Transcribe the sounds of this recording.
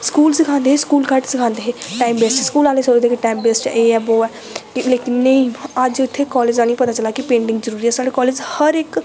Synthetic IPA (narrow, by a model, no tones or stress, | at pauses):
skuːlsɪkʰãːnd̪eːɦeːskuːlkəɾʈsɪkʰãːnd̪eːɦeːʈaːimbeːsʈskuːlaːleːsoːɾd̪eːkeʈaːimbeːsʈːeːɛːboːɛː | kɪleːkɪnːəĩːəd͡ʒʊt̪ʰːeːkɔːleːd͡ʒaːnĩːpət̪aːt͡ʃəlaːkɪpẽːɳɖɪ̃ŋɡzəɾuːɾiːɛːsaːɽeːkɔːleːd͡ʒhəɾɪk